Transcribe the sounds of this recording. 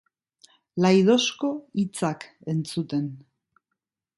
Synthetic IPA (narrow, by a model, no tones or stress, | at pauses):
lajðo̞sko̞it͡sake̞nt͡sut̪e̞n